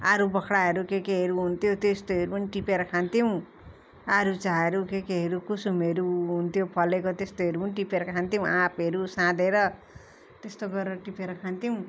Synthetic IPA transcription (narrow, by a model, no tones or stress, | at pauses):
aɾubʌkʰɽaɦʌɾukekeɦeɾuɦunt̪ʰjot̪est̪oɦeɾupʌniʈipeɾʌkʰant̪iw̃ | aɾut͡saɦʌɾukekeɦeɾukusumeɾuɦunt̪ʰjopʰʌlekot̪est̪oɦeɾupʌniʈipeɾʌkʰant̪iw̃ãpɦʌɾusãd̪ʱeɾʌ | t̪est̪oɡʌɾeɾʌʈipeɾʌkʰant̪iw̃